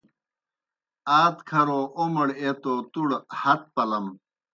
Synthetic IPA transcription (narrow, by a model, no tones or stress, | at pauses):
aːt̪kʰɐɾoːʔomɐɽet̪oːt̪uɽhɐt̪̚pɐlɐm